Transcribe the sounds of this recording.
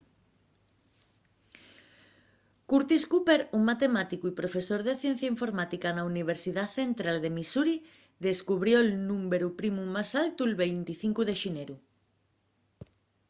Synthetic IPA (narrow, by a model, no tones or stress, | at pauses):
kuɾt̪iskupeɾuŋmːat̪emat̪ikuipɾofesoɾðeθjẽn̟θjaĩɱfoɾmat̪ikanauniβ̞eɾsiðaθent̪ɾald̪emisuɾi | ðeskuβɾjoelnũmbeɾupɾimumasalt̪uelβejnt̪iθiŋkuðeʃineɾu